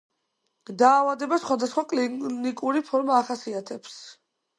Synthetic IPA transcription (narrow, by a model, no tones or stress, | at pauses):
d̪aːvad̪ɛbasχwad̪asχwakʼlinikʼuɾipʰɔɾmaːχasiat̪ʰɛps